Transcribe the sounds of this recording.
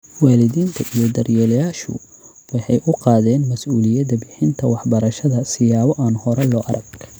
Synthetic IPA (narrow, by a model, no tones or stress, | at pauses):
wɑːlɪðiːnt̪ʰɐʔijɔd̪ɐrjɛljaːʃʊ̰ | wɑħɑjʔʊqɑːðɛːnmɐsuːlɪjɐd̪ɐbɪħɪnt̪ʰɐwɑħbɐɾɐʃɐðɐsɪjaːβɔʔaːnhɔɾɛlɔːʔɐ̰ɾɐɡ